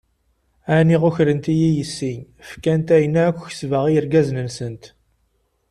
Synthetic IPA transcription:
æniʁʊçɾənt̪ijijəsːiɲ | fkænt̪æjənæækʷːç̥svəʁiəɾɡæznənsənt̪

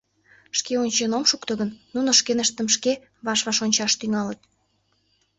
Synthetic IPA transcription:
ʃkeonʲt͡ɕenomʃukt̪əɣənːunoʃkenəʃt̪əmʃke | βɑʃβɑʃonʲt͡ɕɑʃt̪yŋɑlət̪̚

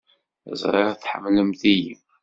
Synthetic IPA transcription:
ə̰zˤɾˤɪʁθħə̰mːləmθijḭm

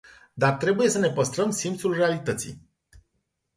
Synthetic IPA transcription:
d̪art̪ɾe̞buje̞səne̞pəst̪ɾəmsimt̪sulre̞alit̪ət̪sḭ

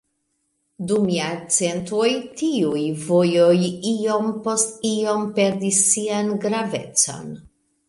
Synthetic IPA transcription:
dumjat͡se̞ntuo̞jtiujvojo̞jio̞mpo̞stio̞mpe̞ɾdisːianɡɾave̞̰t͡so̰n

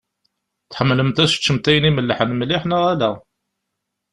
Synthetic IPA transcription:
θħəmːləmt̪æst͡ʃːəmt̪æjəniməlːħənmliħnəʁælæ

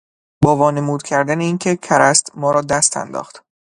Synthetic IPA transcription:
bɒːvɒːne̞muːd̪̚cʲʰæɾd̪æneiːncʰe̞cʰæɾæst̪mɒːɾɒːd̪æst̪ʰæ̰nd̪ɒ̰ːχt̪

